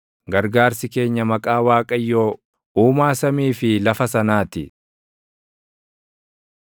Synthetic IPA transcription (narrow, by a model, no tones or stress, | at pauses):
ɡɐɾɡaːɾsɪke̞ːɲːɐmɐkʼaːwaːkʼɐjːo̞ː | uːmaːsɐmiːfɪlɐfɐsɐnaːt̪ɪ